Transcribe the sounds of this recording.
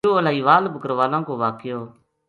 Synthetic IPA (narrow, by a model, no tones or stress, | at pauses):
oːʋəlaːiːʋaːlbʱəkəɾʋaːlãːkoːʋaːkɪjoː